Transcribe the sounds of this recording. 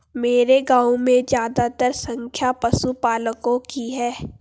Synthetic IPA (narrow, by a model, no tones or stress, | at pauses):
meːɾeɡãːmẽzd͡ʒjaːd̪at̪əɾsə̃ŋkʰjapɐsupaːləkõkiɦɛː